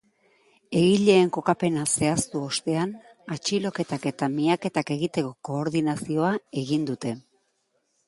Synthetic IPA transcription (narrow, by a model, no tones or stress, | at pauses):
e̞ɣiʎe̞ːŋko̞kape̞nase̞ast̪uo̞st̪e̞an | at͡ʃilo̞ke̞t̪ake̞t̪amiake̞t̪ake̞ɣit̪e̞ko̞ko̞ːɾðinasio̞ae̞ɣind̪ut̪e̞